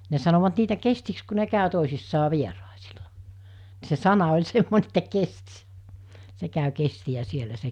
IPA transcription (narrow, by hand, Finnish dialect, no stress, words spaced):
ne sɑnoʋɑt niːtæ kestiks ku ne kæˑø toˑisisːɑː ʋierɑˑesilɑ ni̥ se sɑnɑ olʲ semːone etːæ kesti̥ se kæˑy kestiæ sielæ se